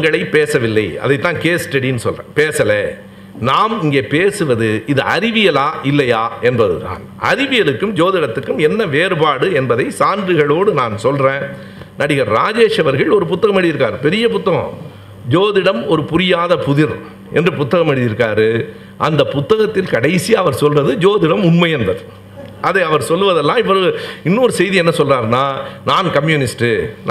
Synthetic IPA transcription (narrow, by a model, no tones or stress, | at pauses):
ŋɡɐɭɐɪpeːsɐʋɪlːɐɪɐ̰ðɐɪt̪ːãːnkeːsʈɐɽinːɯsɔlrḛ̃ːpeːsɐlɛ | naːmɪŋɡeːpeːsɯʋɐðɯɪðɯʔɐɾɪʋɪjɐlaːʔɪlːɐjaːʔɛnbɐðɯ̰t̪a̰ːn | ʔɐ̰ɾɪʋɪjɐlɯkːɯmd͡ʒoːðɪɽɐt̪ːɯkːɯmɛnːɐʋeːɾɯbaːɽɯɛnbɐðɐɪsaːndrɯɣɐɭoːɽɯnaːnsɔlrẽː | nɐɽɪɣɐɾɾaːd͡ʒeːʂɐʋɐɾɣɐɭɔɾɯpʊt̪ːɐɣɐmɛɽɪjɪɾɯkːaːɾɯpɛɾɪjɐpʊt̪ːɐɣɐ̰̃ː | d͡ʒoːðɪɽɐmɔɾɯpʊɾɪjaːðɐpʊðɪɾ | ʔɛ̰ndrɯpʊt̪ːɐɣɐmɛɽɪjɪɾɯkːaːɾɯ | ʔɐnd̪ɐpʊt̪ːɐɣɐt̪ːɪlkɐɽɐɪsiɐʋɐɾsɔlrɐðɯd͡ʒoːðɪɽɐmʊnmɐjɛndɐɾ | ʔɐðɐɪɐʋɐɾsɔlːʋɐðɛlːãːɪp̬ːɔɾɯɯɪnːoːɾɯsɛjðiɛnːɐsɔlraːɾnaːnaːnkɐmjunɪsʈɯn